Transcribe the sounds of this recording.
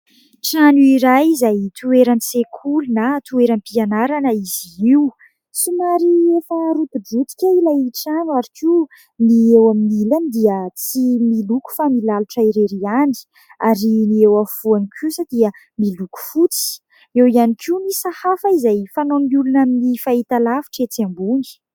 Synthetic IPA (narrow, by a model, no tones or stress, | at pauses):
ʈ͡ʂanuiɾajizajt̪ueɾant͡sekʰulunat̪ueɾampianaɾanəiz̥iiw | sumaɾiefəɾup̪uɖ͡ʐut̪i̥kʲailajʈ͡ʂanuaɾikʲu | niewaminiland̪iət͡similuku̥familaluʈ͡ʂaiɾeɾiani̥ | aɾiniewafuanikʰusad̪̥iə | miluku̥fut͡si̥ | ewianikʰimisahafaizajfanomiulunaminifait̪alafi̥ʈ͡ʂet͡siambuni̥